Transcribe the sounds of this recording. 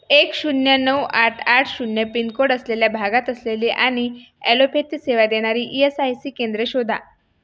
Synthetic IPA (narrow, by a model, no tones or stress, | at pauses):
ekɕunjənəwaʈʰaʈʰɕunjəpinkoɽəsleljabʱaɡat̪əsleleʔaɽ̃i | elopet̪iseʋad̪eɽ̃aɾiːʔiesajsiːkend̪ɾəɕod̪ʱa̰